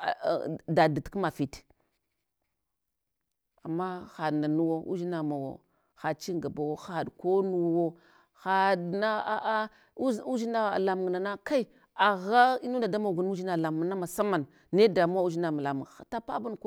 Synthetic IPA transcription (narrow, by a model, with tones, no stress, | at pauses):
da˨di˨tkma˨fi˨t | a˨mːa˦xa˨na˨nu˦wo˦ʔṵ˦d͡ʒi˦na˨ma˨wo̰˨ | xa˨t͡ʃi˦ɡa˨ba˨wo˦xa˨dko˦nu˦˨wo˦ | xa˨dna˦a˨a˦ | u˦d͡ʒi˦na̰˦˨la˨mu˨ŋna˨na˦ka˦i˦ | a˨ɣa˦i˦nu˦n˦da˨da˦ma˨ɡu˨n˦u˦d͡ʒi˦na˨la˨mu˨na˦ma˨sa˦ma˨n | ne˦da˨m˦a˦u˦d͡ʒi˦na˨ma˨la˨mṵ˨ŋa˨ta˦pa˦bu˦nk